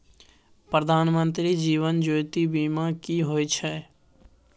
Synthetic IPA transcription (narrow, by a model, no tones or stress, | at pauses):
pɾəd̪ʱaːnmə̃nt̪ɾid͡ʒiːʋənd͡ʒoːɪt̪ibiːmakiɦoːit͡ʃʰɛː